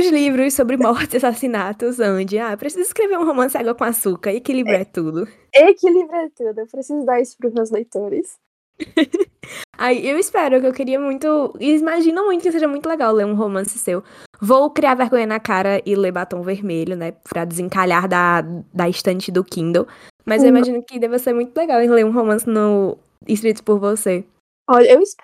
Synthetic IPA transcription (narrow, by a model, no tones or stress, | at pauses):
ʊzlivɾʊssobɾɪmɔht͡ʃɪzasasinat̪ʊzɐ̃d͡ʒɪaewpɾesizʊiskɾeveɾũɦomɐ̃sɪaɡwɔɐkõasukɐekilibɾɛt̪ud̪ʊ | ekilivɾɛt̪ud̪ʊewpɾesizʊd̪aɾisʊ̥pɾʊzmewzlejt̪oɾɪs | aiewispɛɾʊkɪewkeɾiɐmũj̃t̪ʊimaʒĩnɐ̃mũj̃t̪ʊkɪseʒɐmũj̃t̪ʊleɡawleɾũɦomɐ̃sɪ̥sewvowkɾiaɾveɾɡõɲɐnɐkaɾɐʔɪlebat̪õveɾmeʎʊnɛpɾɐd̪ɪzĩkaʎaɾd̪ɐd̪ɐiʃt̪ɐ̃t͡ʃɪd̪ʊkĩd̪ow | mɐzewimaʒĩnʊkɪd̪ɛvɐseɾmũj̃t̪ʊleɡawɪleɾũɦomɐ̃sɪnʊ | iʃ̬kɾit̪ʊ̥pʊɾvose | ɔʎɐewis